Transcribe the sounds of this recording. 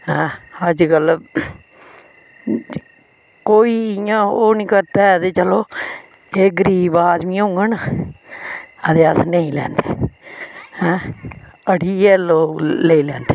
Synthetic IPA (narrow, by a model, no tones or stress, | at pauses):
hɛ̃ːəd͡ʒkəl | koːiːɪjãːoːnĩːkəɾt̪aːd̪eːt͡ʃəloː | eːɡəɾiːbaːd͡ʒmĩːõŋɡən | əd̪eːəsnəĩːlɛ̰ːnd̪ḛː | hɛ̃ː | əɽiːɛːloːleilɛ̃ːnd̪eː